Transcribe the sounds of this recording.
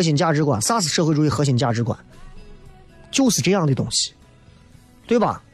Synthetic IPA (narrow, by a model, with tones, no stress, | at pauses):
ɤ˧˥ɕi˨˩ŋt͡ɕja˥˩ʈ͡ʂɻ̩˧˥kwa̰˨˩nsa˥sɹ̩˨˩ʂɤ˥˧xwɪʈ͡ʂu˩i˥˩xɤ˧˥ɕ̬i˨˩ŋt͡ɕja˥˩ʈ͡ʂɻ̩˧˥kwa̰˨˩˦n | t͡ɕjo˥˧ʊʂɻ̩˥˩ʈ͡ʂɤ˥˧jɑ˥˩ŋd̪ə˩t̪ʊ˥ŋɕi̥˨ | t̪we˥˩ɪbɐ̰˨˩